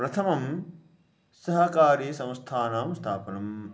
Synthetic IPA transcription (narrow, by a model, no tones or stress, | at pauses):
pɾɐt̪ʰɐmɐm | sɐɦɐkaːɾiːsɐ̃w̃st̪ʰaːnaːmst̪ʰaːpɐnɐm